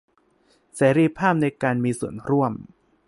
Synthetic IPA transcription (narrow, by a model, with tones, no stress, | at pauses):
seː˩˦ɾi˧pʰaː˥˩p̚na˧jkaː˧nmiː˧su˨˩ənɾu˥˩əm